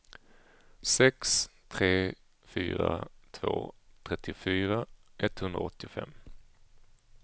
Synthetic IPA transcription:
sɛkst̪ʰɾeː | fy̰ːɾat̪ʰvo̰ːt̪ʰɾɛt̪ːɪʊfyːɾaʔɛt̪ːhɵnd̪ɾa̰ɔt̪ːɪʊfɛ̰m

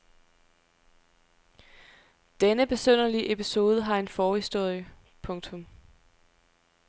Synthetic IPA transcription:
d̥enəb̥e̝søn̰ɐliʔe̝pʰiso̝ːð̞ˠəɦɑ̈e̝nfɒːhisd̥o̝ɐ̰jə | pʰɔ̽ŋt͡sʰɔ̽m

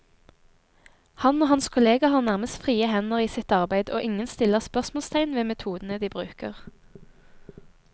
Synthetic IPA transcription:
hɑnoːhɑnskʰʊleːɡɑhɑːʁnæʁməst̪fʁiːəhɛnəʁiːsɪt̪ɑʁbæɪd̪o̰ːʔɪŋənst̪ɪləʁspœʁsmoːlst̪ʰæɪnʋeːmɛt̪ʰuːd̪n̩əd̪iːbʁʉːkə̰ʁ

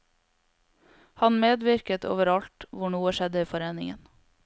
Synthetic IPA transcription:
hɑnmeːd̪ʋɪɾkət̪ʰo̰ːʋəɾɑʎt̪ʋʊɳuːəʃɛd̪əiːfɔɾeːnɪ̰ŋə̰n

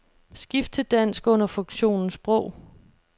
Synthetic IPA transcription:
sɡ̥ifd̥ʰəd̥æn̰sɡ̥ɔ̽n̰ɐfɔ̽ŋɕo̝̰ːnn̩sb̥ʁɔʊ̰

